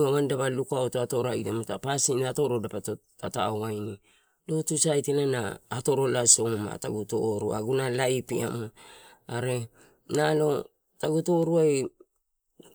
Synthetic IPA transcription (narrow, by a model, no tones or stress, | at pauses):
aβandaβalukaotoato̞ɾaidemotapasinaato̞ɾo̞dapat | ataoajni | lo̞tusajtelanaːto̞ɾo̞laso̞ma̰ta̰ɡuto̞̰ɾua̰ɡunalajpia̰mo | aɾe̞ | nalo̞ | taɡuto̞ɾuaj